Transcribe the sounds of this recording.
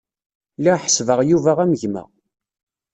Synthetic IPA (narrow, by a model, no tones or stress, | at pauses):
liħə̥svəʁjuvæʁæməʝmæ̰